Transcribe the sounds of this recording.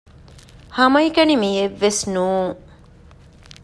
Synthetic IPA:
hɐmɐikɐnimiːeʋːesnuːŋ

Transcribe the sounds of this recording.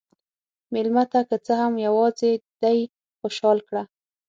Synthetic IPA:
mɪlmat̪akət͡səhamjawɑzed̪aj | xoʃɑlkɽa

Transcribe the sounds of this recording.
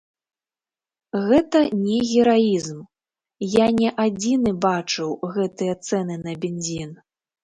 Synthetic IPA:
ɣɛt̪ɐnʲɛɣʲɛɾaizm | janʲɛʔad͡zʲinɨbat͡ʂɨwɣɛt̪ɨjɐt̪sɛnɨnɐbʲɛnʲzʲin

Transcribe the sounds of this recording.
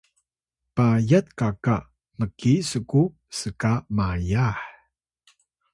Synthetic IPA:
pajat̪̚kaka | məkisəku | səkamajaħ

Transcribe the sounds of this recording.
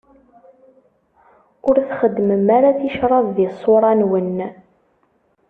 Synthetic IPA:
ʊɾθχəd̪ːməmaɾaθiʃɾˤɑvðisˤoɾˤɑnwən

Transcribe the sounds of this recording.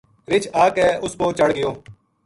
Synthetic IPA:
ɾɪt͡ʃʰaːkɛːʔʊspoːt͡ʃəɽɡɪjoː

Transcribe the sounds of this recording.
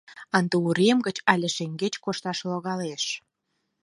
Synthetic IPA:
ɑnd̪euɾemɡət͡ɕɑlʲĕʃeŋɡet͡ɕkoʃt̪ɑʃloɣɑleʃ

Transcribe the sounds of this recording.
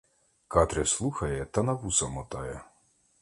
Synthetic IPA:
kɑt̪ɾʲɛslˠuxɐjɛt̪ɐnɐʋusɐmɔt̪ɑjɛ

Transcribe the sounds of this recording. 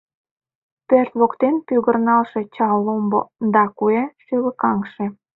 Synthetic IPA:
pørt̪βokt̪enpyɣərnɑlʃe̽t͡ɕɑlombod̪ɑkueʃyləkɑŋʃe

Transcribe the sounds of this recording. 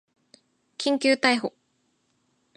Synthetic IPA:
kʲĩŋkʲɨːt̪aiɦo

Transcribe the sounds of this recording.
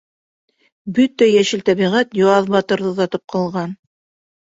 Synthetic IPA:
bɵt̪æjæʃɘ̆lt̪æβiʁæt̪joɑðbɑt̪ɤ̆ɾðɤðɑt̪ɤp̚qʰɑlˠʁɑn

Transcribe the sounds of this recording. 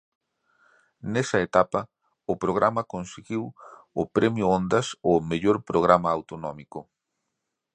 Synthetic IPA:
nesɐet̪apɐ | ʊpɾoɣ̞ɾamɐkõnseɣiwʊpɾemjʊõnd̪ɐsomeʎoɾpɾoɣɾamaːwt̪onomikʊ

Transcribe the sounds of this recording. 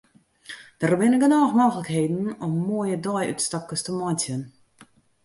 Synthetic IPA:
d̥ərbɪnɪkənɔːxmoːɣələkheːdn̩ɔmːuəjədɔjy̰tstɔkəstəmɔtjən

